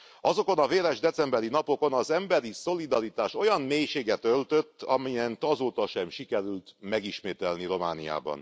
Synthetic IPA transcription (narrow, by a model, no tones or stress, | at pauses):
ɒzoko̞nɒveːɾɛʒd̪ɛt̪sɛmbɛɾinɒpo̞ko̞nɒzɛmbɛɾiso̞lid̪ɒɾit̪aːʃo̞jɒmmeːjʃeːɡɛt̪ølt̪ø̞t̪ʰːɒmijɛnt̪ɒzoːt̪ɒʃɛmʃikɛɾylt̪mɛɡiʃmeːt̪ɛlniɾo̞ma̰ːnija̰ːbɒ̰n